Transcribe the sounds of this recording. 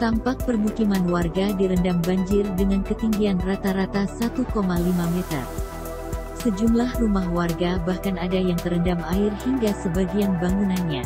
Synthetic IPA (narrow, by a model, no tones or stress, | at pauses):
t̪ampak̚pərmukimanwarɡadiɾəndambaɲd͡ʒɪrdəŋankət̪iŋɡianrat̪aɾat̪asat̪ukomalimamɛt̪ə̰r | səd͡ʒumlahrumahwarɡabahkanadajaŋt̪əɾəndamaɪrhiŋɡasəbaɡianbaŋunanɲa